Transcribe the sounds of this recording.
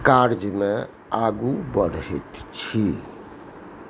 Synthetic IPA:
kaɾd͡ʒmẽ | aːɡubəɾɦit̪t͡ʃʰi

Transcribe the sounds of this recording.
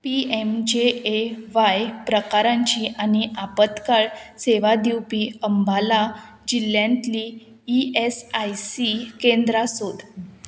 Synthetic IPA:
piemd͡ʑeeʋajpɾəkaɾãɲt͡ɕiːʔaniʔapət̪kaɭseʋad̪iwpiəmbala | d͡ʑilːjãnt̪liː | esajsikẽnd̪ɾasod̪

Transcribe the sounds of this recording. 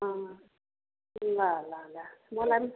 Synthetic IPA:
a | lalalamɔlami

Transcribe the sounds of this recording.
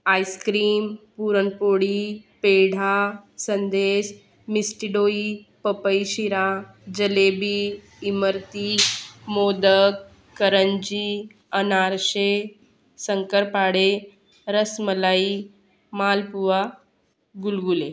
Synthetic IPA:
aːjskɾiːmpuɾəɳpoːɽipeɽ̤ʱasənd̪eːs | misʈiɖoipəpəiʃiɾa | d͡ʒəlebiː | məɾt̪imoːd̪əkː | əɾəɲd͡ʑi | ənaɾʃe | səŋkəɾpaːɽe | ɾəsməlaiː | maːlpuʋa | ɡulɡule

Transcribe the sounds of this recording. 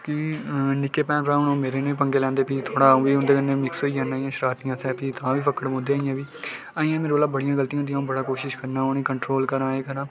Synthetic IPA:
kɪnɪkːeːpɛ̃ːpɾãːʊnõːmeːɾeːnẽːp̬əŋɡeːlɛ̃ːnd̪eːpiːt̪ʰoːɽãːʋiːʊ̃nd̪eːkənːẽːmɪksoːiãːnaːiːãːʃɾaːt̪ijãːsɛ̃ːpiːt̪ʰãːʋiːpʰəkəɽmõːd̪eːaːijãːʋiː | aːĩːãːmeːɾolaːbəɽijãːɡəlt̪ijãːnd̪ijãːbəɽaːkoːʃɪʃkəɾnaːoːnẽːkəɳʈɾoːlkəɾãːeːkəɾãː

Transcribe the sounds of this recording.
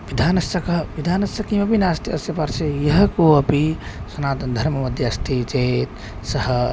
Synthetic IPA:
ʋid̪ʱaːnɐsɐkɐʋid̪ʱaːnɐsɐkimɐpinast̪iɐsjɐpaɾt͡ʃʰejɐɦkoɐpisɐnaːt̪ɐnd̪ʱɐɾmɐmɐd̪ʱjɐɐst̪ʰit͡ʃet̪ | sɐɦə

